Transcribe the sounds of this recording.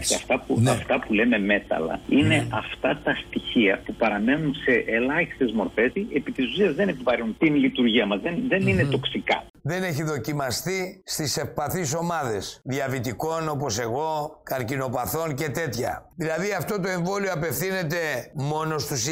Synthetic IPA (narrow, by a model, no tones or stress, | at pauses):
ɐ̰ft̪ɐpuɐft̪ɐpule̞me̞me̞t̪ɐ̰lɐ̰ine̞ʔɐft̪ɐt̪ɐst̪içiɐpupɐɾɐme̞nunse̞ʔelɐçist̪e̞zmo̞ɾfe̞siepit̪isusiɐzðene̞pivɐɾinunt̪inlit̪uɾʝiɐmɐzðenðe̞nine̞t̪o̞ksikɐ̰ | ðe̞ne̞çiðo̞cimɐst̪ist̪ise̞fpɐθiso̞mɐðe̞sðiɐvit̪iko̞no̞po̞se̞ɣo̞kɐɾcino̞pɐθo̞nce̞t̪e̞t̪çɐ̰ðilɐðiɐft̪o̞t̪o̞e̞ɱvo̞lioɐpe̞fθine̞t̪̬e̞mo̞no̞st̪us